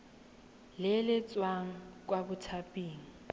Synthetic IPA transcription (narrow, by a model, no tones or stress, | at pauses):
lɪlɪt͡sʼwaŋ̩kʼwabʊtʰapʼiːŋ̩